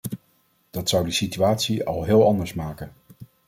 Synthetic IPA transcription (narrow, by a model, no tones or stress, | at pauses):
d̥ɑtsʌwdəsityaːtsiɑ̰lˠɦɪːlˠɑndəɹsmaːkən